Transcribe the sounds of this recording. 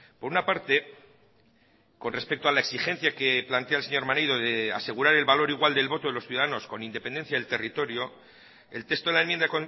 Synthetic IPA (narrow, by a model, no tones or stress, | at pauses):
po̞ɾunapaɾt̪e̞ | ko̞nre̞spe̞k̚t̪oalaeksixe̞nθjake̞plant̪e̞aelse̞ɲo̞ɾmanejðo̞ðe̞ase̞ɣuɾaɾe̞lβalo̞ɾiɣwald̪e̞lβo̞t̪o̞ðelosθjuðaðano̞sko̞nind̪e̞pe̞nd̪enθjaðelt̪e̞rit̪o̞ɾjo | e̞lt̪est̪oðelaemjend̪ako̞n